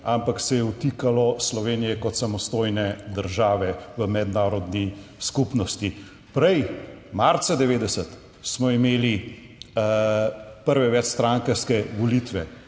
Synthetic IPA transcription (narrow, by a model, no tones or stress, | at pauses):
ampaksɛjɛut̪ikalɔslɔʋeːnijɛkɔt̪samɔst̪oːjnɛd̪əɾʒaːʋɛʋəmɛd̪naːɾɔd̪niskupnɔst̪i | pɾɛjmaɾt̪sad̪ɛʋeːd̪ɛsət̪ | smɔimeːli | pəɾʋɛʋɛt͡ʃst̪ɾaːŋkəskɛʋɔlit̪ʋɛ